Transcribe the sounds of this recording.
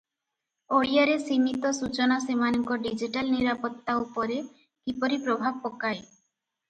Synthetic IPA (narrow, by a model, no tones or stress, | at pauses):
oɭijaɾesimit̪ɔsut͡ʃɔnasemanɔŋkɔɖid͡ʒiʈalniɾapɔt̪ːaupɔɾe | kipɔɾipɾɔbʱab̚ɔkae